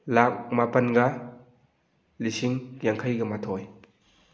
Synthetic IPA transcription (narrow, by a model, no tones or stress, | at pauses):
lak̚mapɐnɡɐ | lisiŋjaŋkʰajɡɐmatʰoj